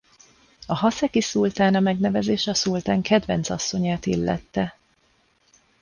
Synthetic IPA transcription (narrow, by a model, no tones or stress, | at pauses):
ɒɦɒsɛkisult̪aːnɒmɛɡnɛvɛzeːʃɛɒsult̪aːŋkɛd̪vɛnsɒsːo̞ɲaːt̪ilːɛ̰t̪ːɛ